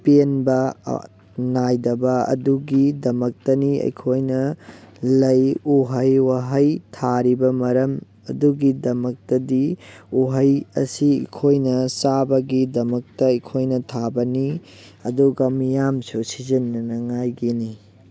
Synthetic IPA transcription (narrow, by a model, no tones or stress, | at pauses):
penbɐ̰ | najdɐbɐɐ̰duɡidɐmɐk̚tɐniɐ̰jkʰojnɐlɐjuɦɐjwaɦɐjtʰaɾibɐmɐɾɐm | ɐ̰duɡidɐmɐk̚tɐdiuɦɐjɐ̰siḭkʰojnɐsabɐɡidɐmɐk̚tɐːjkʰojnɐtʰabɐni | ɐduɡɐmijamsusizinːɐnɐŋajɡini